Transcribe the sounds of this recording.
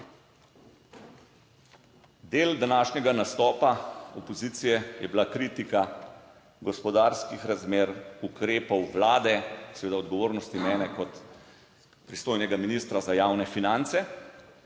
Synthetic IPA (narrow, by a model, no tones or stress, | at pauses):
d̪eːld̪anaːʃnʲɛɡanast̪ɔːpaɔpɔziːt̪sijɛjɛbilakɾiːt̪ika | ɡɔspɔd̪aːɾskixɾazmeːɾukɾeːpɔwʋlaːd̪ɛsɛʋeːd̪aɔd̪ɡɔʋoːɾnɔst̪imɛːnɛkɔt̪ | pɾist̪oːjnɛɡaminist̪ɾazajaːwnɛfinant̪sɛ